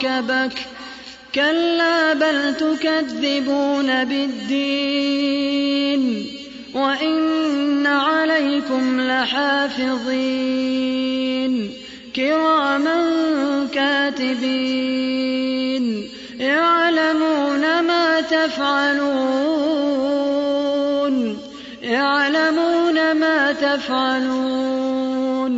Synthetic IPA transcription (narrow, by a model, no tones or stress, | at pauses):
abak | kalːaːbalt̪ʊkaðːɪbuːnabɪd̪ːiː | n | waʔɪnːaʕalajkʊmlɪħaːfɪðˤiː | n | kɪɾaːmaŋkaːt̪ɪbiː | n | jaʕlamuːnamaːt̪afʕaluː | n | jaʕlamuːnamaːt̪afʕaluː | n